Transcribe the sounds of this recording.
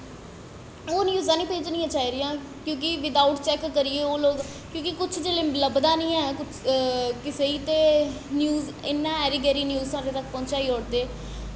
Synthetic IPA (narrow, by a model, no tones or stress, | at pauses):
oːnjuːzãːnĩːpeːd͡ʒnĩːãːt͡ʃaːiːɾɪjãː | kjõːk̬ɪʋɪd̪aːʊʈt͡ʃɛːkːəɾieːoːloːɡ | kjõːkɪkʊt͡ʃʰd͡ʒeːleːləbd̪ãːnĩːɛ̃kʊt͡ʃkɪseːiːt̪eː | njuːz | ɪnːãːɛːɾiːɡɛːɾiːnjuːzt̪ãːd̪eːt̪ək̚pɔ̃ːnt͡ʃaːiːɔːɽd̪eː